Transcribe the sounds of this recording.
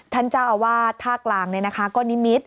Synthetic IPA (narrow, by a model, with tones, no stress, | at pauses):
t̪ʰa˥˩nt͡ɕaː˥˩˨waː˥˩t̪ʰaː˥˩klaː˨˩ŋni˥˩na˦˥kʰa˦˥kɔː˥˩ni˦˥mi˦˥t̪̚